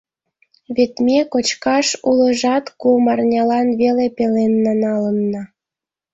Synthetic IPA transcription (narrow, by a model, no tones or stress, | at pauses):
βet̪mʲekot͡ɕkɑʃulə̆ʒɑt̪kumɑrnʲɑlɑnβelepelenːɑnɑlə̆nːɤ̆